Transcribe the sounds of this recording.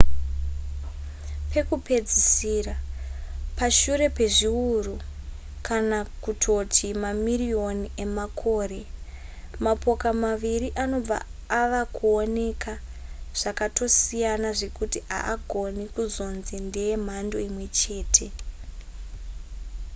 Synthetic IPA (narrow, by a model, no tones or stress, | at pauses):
pe̞kupe̞d͡zisiːra | paʃuɾe̞pe̞ʐiuru | kanakutʰo̞tʰimamirio̞nie̞makʰo̞ːre̞ | mapo̞kamaʋiɾiʔano̞b͡va̰ːʋakuone̞kʰaʐ̥akato̞sijanaʐe̞kutiʔa̰ʔaɡʱo̞nikuzo̞nzendejem̤ando̞imwe̞t͡ʃe̞ːtʰe̞